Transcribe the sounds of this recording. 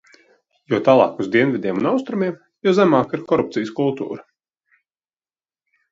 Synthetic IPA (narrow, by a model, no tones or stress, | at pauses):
juɔt̪aːlˠɑ̰ːkuzd̪iɛnvʲid̪ʲiɛmunawst̪ɾumiɛm | juzæmaːkiɾkɔɾup̚t̪sijəskulˠt̪ṵːɾa